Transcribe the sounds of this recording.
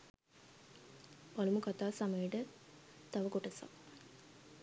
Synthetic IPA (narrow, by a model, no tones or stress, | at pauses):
palumukat̪aːsamejiʈət̪ɐʋəkoʈɐsa̰